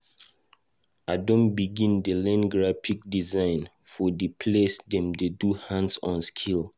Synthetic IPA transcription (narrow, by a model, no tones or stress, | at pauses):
adõnbiɡĩndəlɛ̃nɡɹafik̚dizãɪ̃n | fɔdipʰlesdɛ̃mdeduhãnsɔ̃nskʰil